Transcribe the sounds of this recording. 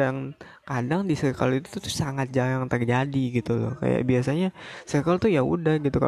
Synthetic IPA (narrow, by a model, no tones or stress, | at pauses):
ŋ | kadaŋdisəka̰lit̪u̥t̪ut̪ʊ̥saŋat̪̚d͡ʒajaŋt̪ərd͡ʒadiɡit̪utʊ̰hka̰ja̰ʔbiasaɲasəkalt̪ujaṵdahɡit̪uka̰